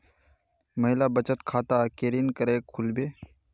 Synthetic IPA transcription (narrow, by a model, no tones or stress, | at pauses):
məɦɪlaːbət͡ʃət̪kʰaːt̪aːkeːɾiːnkəɾeːkʰʊlbeː